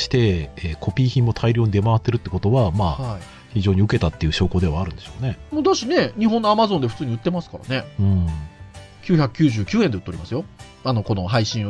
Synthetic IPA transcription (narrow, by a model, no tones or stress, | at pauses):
ɕi̥t̪e̞ekʰo̞pʲiːçĩmːo̞t̪ʰaiɾʲjoːɲ̟id̪e̞maβat̪ːeɾɯ̟t̪ːeko̞t̪o̞βamaːa | çiʑo̞ːɲ̟iɯ̟ke̞t̪at̪ːeiɯ̟ɕo̞ːko̞ːd̪e̞β̞aːɾɯ̟̃nd̪e̞ɕoːne̞moːd̪oɕine̞ɲ̟iɦõ̞nːo̞amazõ̞nd̪ɸɯ̟̥t͡sɨːɲ̟iɯ̟t̪ːe̞masɨ̥kaɾa̰ne̞ɯ̟̃ːɴ | kʲɨːçakɯ̥kʲɨːʑɨːkʲɨːẽne̞ɯ̟t̪ːoɾimasɨjo̞ | ano̞ko̞no̞ɦaiɕĩɰ̃